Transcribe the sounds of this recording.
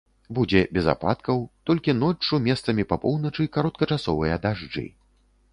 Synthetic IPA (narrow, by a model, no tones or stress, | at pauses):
bud͡zʲɛbʲɛza̰pa̰t̪kɐwt̪ɔlʲkʲinɔt͡ʂumʲɛst̪sɐmʲipɐpɔwnɐt͡ʂɨkaɾɔt̪̚kɐt͡ʂasɔvɨjɐd̪aʐd͡ʐɨ̰